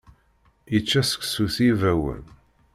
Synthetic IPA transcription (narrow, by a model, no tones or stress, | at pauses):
jət͡ʃːæsə̥ksuθivæwə̰n